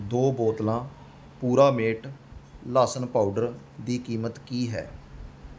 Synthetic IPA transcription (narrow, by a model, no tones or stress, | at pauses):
d̪oːboːt̪lãː | puːɾaːmeːʈlaːsənpaːuɖəɾ | d̪iːkiːmət̪kiːɦɛ̰ː